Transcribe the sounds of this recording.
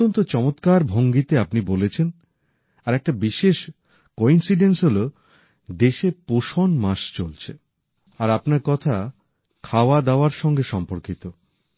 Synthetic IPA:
ont̪ot͡ɕɔmot̪kaɾbʱoŋɡit̪eapnibolet͡ɕʰen | aɾɛk̚ʈabiʃeʃ | koinsiɖensɦolo | d̪eʃepoʃonmaʃt͡ɕolt͡ɕʰḛ | aɾapnaɾkɔt̪ʰa | kʰaoad̪aoaɾʃɔŋɡeʃɔmpoɾkit̪o

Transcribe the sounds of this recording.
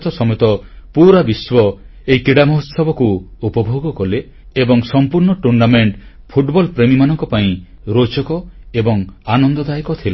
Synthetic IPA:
t̪ʰɔsɔmɔjɔt̪ɔpuɾabiswɔ | eikiɽamɔɦɔt̪sɔbɔkuupɔbʱoɡɔkɔle | ebɔŋsɔmpuɾɳɔʈuɳɖameɳʈ | pʰuʈbɔlpɾemimanɔŋkɔpaĩ | ɾot͡ʃɔkɔebɔŋanɔnd̪ɔd̪ajekɔt̪ʰila

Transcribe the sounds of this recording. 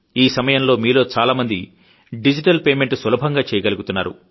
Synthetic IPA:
iːsɐmɐjɐmlo̞ːmiːlo̞ːt͡ʃaːlaːmɐnd̪i | ɖid͡ʒiʈɐlpeːme̞ɳʈsʋɐlɐbʱɐŋɡaːt͡ʃɛːjɐɡɐluɡut̪unːa̰ːɾṵ

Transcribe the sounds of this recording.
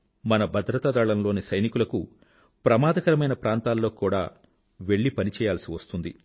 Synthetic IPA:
mɐnɐbʱɐd̪ɾɐt̪aːd̪aːɭɐnlo̞ːnisɐjnikulɐku | pɾɐmaːd̪ɐkɐɾɐmɐjnɐpɾaːnt̪aːlːo̞ːkuːɽa̰ː | ʋe̞ɭːipɐnit͡ʃɛːjaːlɐsiʋɐst̪und̪ḭ

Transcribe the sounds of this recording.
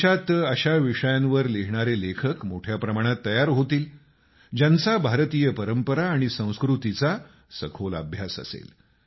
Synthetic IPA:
at̪əɕaʋiʂəjãnʋəɾleɦɳ̃aɾelekʰəkmoʈʰjapɾəmaɽ̃at̪ːəjaɾɦot̪iːl | d͡ʑant͡sabʱaɾt̪iːjəpəɾəmpəɾaːɽ̃isə̃w̃skɾut̪it͡sa | sə̰kʰolə̰bʱjasə̰sḛl

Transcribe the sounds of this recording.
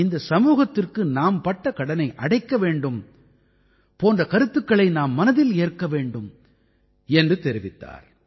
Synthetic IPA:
ɪnd̪ɐsɐmuːɣɐt̪ːɪrkɯnaːmpɐʈːɐkɐɽɐnɐɪʔɐɽɐɪkːɐʋeːɳɖɯm | poːndrɐkɐɾɯt̪ːɯkːɐɭɐɪnaːmːɐnɐðɪleːrkːɐʋeːɳɖɯm | ɛndrɯt̪ɛɾɪʋɪt̪ːa̰ːɾ

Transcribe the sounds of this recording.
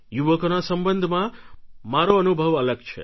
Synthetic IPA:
juʋəkonasəmbənd̪ʱmãmaɾoənubʱəʋələɡt͡ʃʰḛ

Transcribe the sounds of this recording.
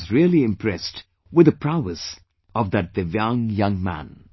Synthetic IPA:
zɹilˠiɪ̃mpʰɹɛst | wɨd̪ɨpʰɹ̥aʊəs | ʌvðɨt̚ðɨvjʌ̃ŋjʌ̃ŋmæ̰̃n

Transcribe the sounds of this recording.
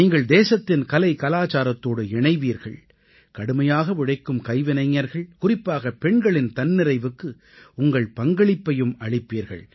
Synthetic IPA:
iːŋɡɐɭd̪eːsɐt̪ːɪnkɐlɐɪkɐlaːt͡ʃaːɾɐt̪ːoːɽɯɪɳɐɪʋiːɾɣɐ̰ɭ | kɐɽɯmɐjaːɣɐʋɪɽɐɪkːɯmkɐɪʋɪnɐɪŋːɐɾɣɐɭkʊrɪpːaːɣɐpɛɳɡɐɭɪnt̪ɐnːɪɾɐɪʋɯkːɯ | ʊŋɡɐɭpɐŋɡɐɭɪpːɐjɯmɐɭɪpːiːɾɣɐ̰ɭ

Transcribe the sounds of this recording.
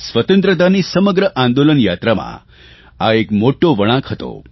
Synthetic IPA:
sʋət̪ənt̪ɾət̪̬anisəməɡɾəʔãnd̪olənjat̪ɾamã̰ | aekmoʈːoʋəɽ̃ãkʰɦət̪o̰

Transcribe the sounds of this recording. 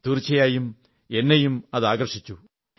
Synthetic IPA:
t̪urt͡ɕːɐjaːjum | e̞nːejumɐðaːɡɐrʂit͡ɕːu

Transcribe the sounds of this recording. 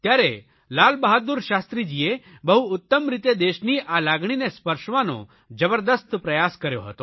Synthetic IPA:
t̪jaɾe | laːlbaɦət̪̚d̪uɾʃast̪ɾid͡ʒie | bəɦuːt̪ːəmɾit̪ed̪eʃniːʔalaɡɳ̃inespəɾʃʋãno̰ | d͡ʒəbəɾd̪əst̪pɾɐjaskəɾjo̰ɦət̪o

